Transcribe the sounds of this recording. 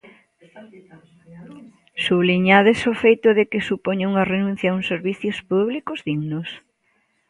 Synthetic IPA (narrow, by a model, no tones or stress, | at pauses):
suβliɲaðɪsofejt̪ʊðɪkɪsupoɲeuŋɐrenũn̟θjɐuŋseɾβiθjʊspuβlikʊzðiɣnʊs